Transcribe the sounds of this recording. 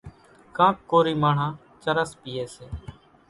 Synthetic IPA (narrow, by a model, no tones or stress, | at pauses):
kãːkːoːɾiːmaːɳ̤ãː | t͡ʃəɾəspiːeːseː